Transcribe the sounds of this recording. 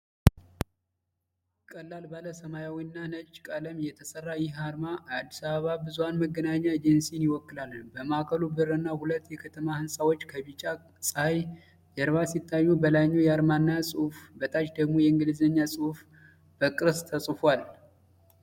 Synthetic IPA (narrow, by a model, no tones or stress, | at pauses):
kʼəlːalbaləsəmajawinːanət͡ʃʼkʼaləmjɛt̪ʰəsərːajɪhaɾmaad̪ːisaβəβabɨzuwanməɡːənaɲːaed͡ʒənsijnjɪwɔkːɨlalːbəmakʰəlubɨrːɨnːahulət̪ːjɛkʰət̪ʰəmahɨnsʼawot͡ʃːkʰəβit͡ʃʼːa | sʼɨhaj | jɛɾβasit̪ʰʼːajːubəlaɲːujɛaɾmanːasʼɨhufbət̪ʼat͡ʃd̪əɡmo̞jɛɨŋɡɨlɨzəɲːasʼɨhuf | b̥əkʼɨɾst̪ʰəsʼfwal